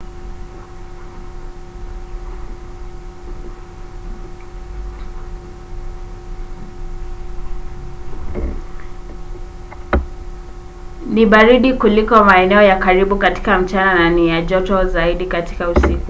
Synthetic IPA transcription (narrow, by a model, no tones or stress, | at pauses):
niɓaɾiɗikulikɔmaɛnɛɔjakaɾiɓukati̥kam̩t͡ʃanananijaʄɔtɔzaiɗikati̥kausiku